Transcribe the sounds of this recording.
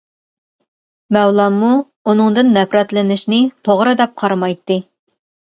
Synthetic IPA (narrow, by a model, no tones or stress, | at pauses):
mɛwlˠɑmu | unɨŋd̪ɨnːɛpɾɛt̪lɪnɪʃnɪt̪ʰoʁɾɨd̪ɛp̚qʰɑɾmɑjt̪ːɨ